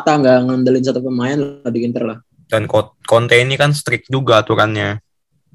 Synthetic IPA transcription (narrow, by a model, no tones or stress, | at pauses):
t̪aŋɡaʔŋəndəlɪns̬at̪upəmajanlahdikint̪ərlah | dankokont̪einikanst̪ɾɪk̚d͡ʒuɡaːt̪uɾanɲa